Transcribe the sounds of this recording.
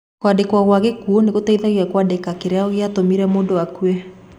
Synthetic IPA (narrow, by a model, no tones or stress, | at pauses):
kwadekwaɣwaɣekuoneɣotɛiðaɣiwɛkwadekakeɾeaoɣeatomiɾɛmoːndowakuɛ